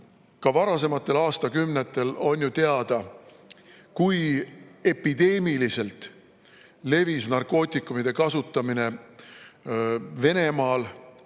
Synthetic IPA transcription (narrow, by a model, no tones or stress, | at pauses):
kɑvɑɾɑs̬e̞mɑt̪ːˑe̞lɑːst̪ɑkymnet̪ːˑe̞lo̞njut̪e̞ɑd̪̥ɑ | kuje̞pːid̪̥e̞ːmilise̞lt̪ˑ | le̞visnɑrko̞ːt̪ʲˑikːˑumid̪̥e̞kɑsut̪ːˑɑmine̞ | ve̞ne̞mɑːl